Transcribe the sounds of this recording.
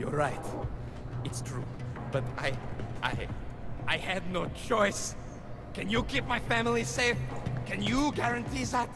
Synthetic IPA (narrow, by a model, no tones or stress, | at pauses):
jɔɹaɪt | ɨtstʰɹ̥ṵb̥ʌta̰ɪʔa̰ɪaɪɨdⁿnoʊt͡ʃɔɪs | kɨ̃njɨkʰip̚maɪfæmlˠiseɪfkɨ̃njɨɡæɹɨ̃ntʰizæt